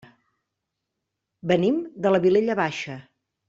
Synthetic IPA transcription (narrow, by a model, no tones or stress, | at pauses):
bənimd̪ələβileʎəβaʃə